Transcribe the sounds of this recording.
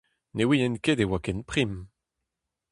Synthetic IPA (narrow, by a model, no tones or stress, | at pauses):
newiɛnkedewakɛnpχim